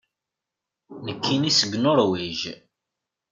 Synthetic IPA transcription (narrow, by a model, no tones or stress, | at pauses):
nəkʰːinisəɡnʊɾwiʒ